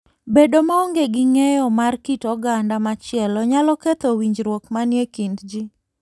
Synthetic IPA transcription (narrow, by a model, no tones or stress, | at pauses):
bedomaoŋɡeɡɪŋejɔmarkitɔɡandamat͡ʃɪɛlɔɲalɔket̪owiɲd͡ʒɾwokmanjekindd͡ʒi